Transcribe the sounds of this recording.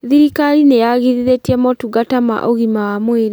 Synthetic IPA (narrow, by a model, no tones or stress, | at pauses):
ðiɾikaɾinejaɣiɾiɾetiɛmɔtuɡatama̰ʔoɣimawamweɾe